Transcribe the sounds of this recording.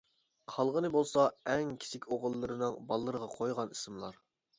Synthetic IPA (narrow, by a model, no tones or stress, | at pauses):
qʰɑlˠʁənɨbolˠsɑɛŋkʲʰi̥sʰɪkʲoʁəlˠːɨɾɨnɨŋbɑlˠːəɾəʁɑqʰojʁɑnisɨmlˠɑɾ